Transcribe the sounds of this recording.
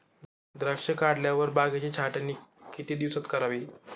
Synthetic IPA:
d̪ɾəkʂəkaɽljaʋəɾbaɡat͡ɕit͡ɕʰaʈənːiːkit̪iːd̪iʋsat̪kəɾaʋiː

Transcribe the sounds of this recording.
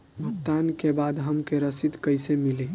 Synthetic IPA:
bʱəkt̪ankebad̪ɦəmkeɾəsid̪kəɪsemili

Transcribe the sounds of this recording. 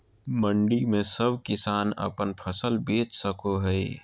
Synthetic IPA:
məɳɖimẽsəbʱkɪsaːnə̰pənpʰəsəlbeːt͡ʃsəkoɦəi

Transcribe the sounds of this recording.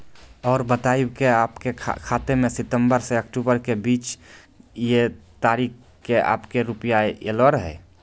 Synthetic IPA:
ɔːɾbət̪aːibkeaːpkekʰaːt̪emẽsɪt̪əmbəɾseəkʈubəɾkebiːt͡ʃ | jet̪aɾik | kea̰ːpkeɾupjaelɔɾəɦɛ̰

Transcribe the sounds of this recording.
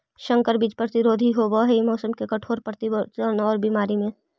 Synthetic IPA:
ʃə̃ŋkəɾbiːt͡ʃpɾət̪ɪɾoːd̪ʱiɦoːbɔɦɛimɔːsəmkekɐʈʰoːɾpɾət̪ɪbəənɔːɾbimaːɾimẽ

